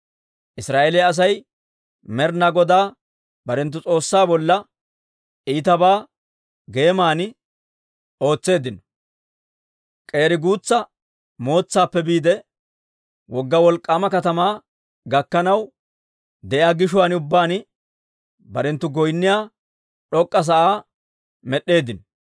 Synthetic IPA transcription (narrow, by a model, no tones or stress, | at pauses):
ʔɪsɾaːʔeːlɛɐs̬ɐj | mɛɾnɐɡɔd̪aː | bɐɾɛnt̪ːʊt͡sʼo̞ːsːaːbɔlːɐ | ʔiːt̪ɐbaː | ɡe̞ːmaːnɪ | o̞ːt͡sːe̞ːd̪ɪnɔ̥ | kʼe̞ːɾɪɡuːt͡sːɐ | mo̞ːt͡sːaːpːɛbiːd̪ɛ | wɔɡːɐwɔlkʼːaːmɐkɐt̪ɐmaː | ɡɐkːɐnɐw | d̪ɛʔɪaːɡɪʃʊwanɪʊbːaːnɪ | bɐɾɛnt̪ːʊɡɔjnːɪjaː | ɗɔkʼːɐs̬ɐʔaː | mɛɗːe̞ːd̪ɪnɔ